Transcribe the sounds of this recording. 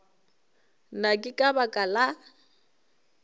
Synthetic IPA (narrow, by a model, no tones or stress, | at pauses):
nakʼɪkʼabakʼala